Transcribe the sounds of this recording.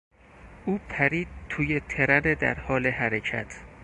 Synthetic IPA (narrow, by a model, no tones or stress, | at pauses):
ʔuːpʰæɾiːd̪̚t̪ʰuːjet̪ʰe̞ɾæned̪æ̰ɾhɒːleɦæɾecʰæ̰t̪ʰ